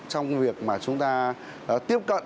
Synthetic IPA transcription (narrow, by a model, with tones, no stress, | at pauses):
t͡ɕɔ˧wŋ͡mvi˨˩ək̚maː˨˩t͡ɕʊ˨˦ŋ͡mt̪aː˧˨˦ | t̪i˦˥əp̚kə̰˧˨